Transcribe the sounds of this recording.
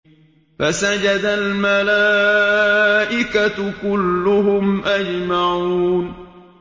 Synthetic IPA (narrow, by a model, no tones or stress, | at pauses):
fasad͡ʒad̪almalaː | ʔɪkat̪kʊlːʊɦʊmʔad͡ʒmaʕuːn